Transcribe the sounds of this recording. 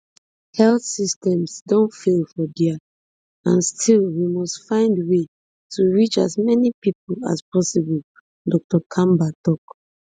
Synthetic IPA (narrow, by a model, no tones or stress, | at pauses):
hɛlθsistɛ̃msdõnfelfɔdia | ãnstʰilwimɔstfãɪ̃ndwe | tʰuɹit͡ʃa̰smɛnipip̚ola̰spʰɔsibɔl | dɔk̚tɔkʰãmbatɔk